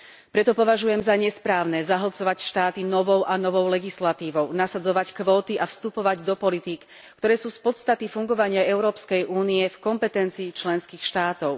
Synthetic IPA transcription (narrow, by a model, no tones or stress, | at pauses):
pɾɛt̪ɔpɔʋaʒujɛmzaɲɛspɾaːʊnɛzaɦɔt͡sɔʋacʃt̪aːt̪inɔʋɔʊʔanɔʋɔʊlɛɡislat̪iːʋɔʊnasad͡zɔʋackʋɔːt̪iʔafst̪upɔʋaɟd̪ɔpɔlit̪ikː | t̪ɔɾɛːsuːspɔt̪st̪at̪ifuŋɡɔʋaɲɪaɛʊɾɔːpskɛjʔuːniɛfkɔmpɛt̪ɛnt͡siːt͡ʃlɛnskiːxʃt̪aːt̪ɔʊ